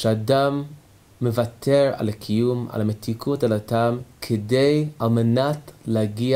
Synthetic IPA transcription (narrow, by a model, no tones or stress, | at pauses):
ʃeadamː | evatʰeʁa̰lakʰijuma̰lametʰikʰutalatamkʰedejalmenatleaɡia